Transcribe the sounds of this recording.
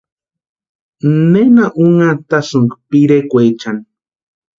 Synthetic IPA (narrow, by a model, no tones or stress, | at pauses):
nenaʔuŋat̪asuŋkpiɾekʷet͡ʃan